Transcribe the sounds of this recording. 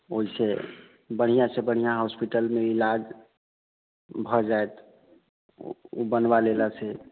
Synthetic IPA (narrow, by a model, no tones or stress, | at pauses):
oise | bəɽ̤̃ijãsebəɽ̤ijaɦɔspiʈəlmeilad͡ʒ | bʱɔd͡ʒaet̪ | obənbalelasʰɛ